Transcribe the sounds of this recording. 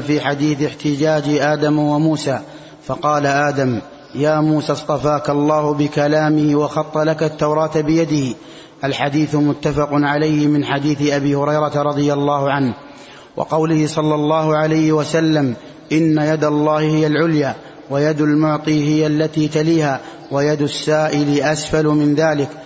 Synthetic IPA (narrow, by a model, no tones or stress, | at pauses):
fiːħad̪iːθɪħt̪ɪd͡ʒaːd͡ʒɪʔaːd̪amwamuːsaː | fɑqɑːlaʔaːd̪am | jaːmuːsaːst̪ˤɑfaːkalˤːɑːhʊbɪkalaːmɪhɪwɑxɑt̪ˤːɑlakat̪ːawɾˤɑːt̪bɪjad̪ɪhɪ | ʔalħad̪iːθʊmʊt̪ːafɑqʊnʕalajhɪmɪnħad̪iːθɪʔabiːhʊɾɑjɾˤɑt̪ɾˤɑd̪ˤɨjalˤːɑːhʊʕanh | wʔɑ̰qɑwlɪhɪsˤɑlːɑlˤːɑːhʊʕalajhɪwasalːam | ʔɪnːajad̪alˤːɑːhɪhɪjalʕʊljaː | wajad̪almʊʕt̪ˤiːhɪjalːat̪iːt̪aliːhaː | wajad̪ʊsːaːʔɪlɪʔasfalʊmɪnðaːlɪk